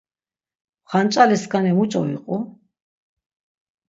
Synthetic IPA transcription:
χant͡ʃʼalɛskʰʼanɛmut͡ʃʼɔiqʼu

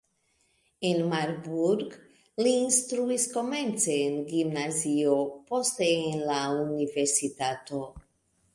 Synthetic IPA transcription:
enmaɾbuɾɡ | liːnst̪ɾuisko̞ment͡seːnɡimnaziopost̪eːnlauniveɾsit̪at̪o

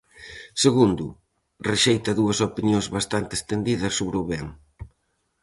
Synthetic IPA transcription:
seɣund̪ʊ | reʃejt̪ɐðuɐsopinjoŋzβast̪ant̪ɪe̥st̪end̪iðɐsːoβɾeuβɛŋ

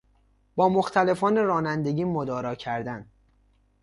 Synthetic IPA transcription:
b̥ɒːmoxt̪ʰæle̞fɒːneɾɒːnænd̪e̞ɟiːmod̪ɒːɾɒːcʰæɾd̪æn

